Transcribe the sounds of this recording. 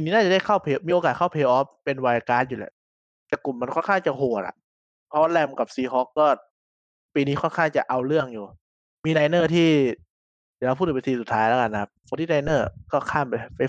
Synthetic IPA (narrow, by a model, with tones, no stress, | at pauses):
piː˧niː˦˥naː˥˩t͡ɕa˨˩da˥˩jkʰa˥˩wpʰeː˧miː˧ʔo˧kaː˨˩t̪̚kʰa˥˩wpʰeː˧ʔɔː˦˥ppe˧nwaː˧a˧kaː˧njuː˨lɛ̰˧˩ | t̪ɛː˨˩ku˨˩mːa˧nkʰɔ˥˨nkʰaː˥˩ŋt͡ɕa˨˩hoː˨˩t̪̚ʔa̰˨˩ʔ | pʰɔ˦˥wa˥˩lɛ˧˩mka˨˩p̚siː˧ɦɔː˦˥kːɔː˥˩ | piː˧niː˦˥kʰɔ˥˩nkʰaː˥˩ŋt͡ɕa˨˩ʔa˧wlɯ˥˩əŋjuː˨˩ | miː˧naː˧jnɤː˥˩t̪ʰiː˥˩ | d̪a˨˩la˧pʰuː˥˩˨pe˧siː˧˩su˨˩t̪ʰːaː˦˥jlɛː˦˥˧ka˧nːa˧kʰa˦˧˥p̚kʰo˧˦nt̪ʰiː˥˩naː˧jnɤː˥˩kɔː˥˩kʰaː˥˩mpa˧pa˧